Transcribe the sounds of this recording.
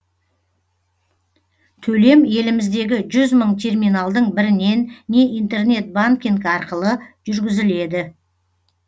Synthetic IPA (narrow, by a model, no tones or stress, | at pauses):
t̪ʰɵle̞mje̞lɪmɪzd̪e̞ɡʲɪʒʏzməɴt̪ʰe̞rmijnalˠd̪əɴbɪɾɪne̞nːe̞ijnt̪e̞rne̞t̪̚baŋkʲiŋkɑɾqəlˠəʒ̥ʏɾɡʲɪzɪle̞d̪ɪ